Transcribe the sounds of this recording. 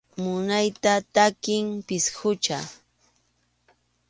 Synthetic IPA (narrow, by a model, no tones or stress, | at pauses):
mʊnajt̪at̪akɪmpɪshʊt͡ʃa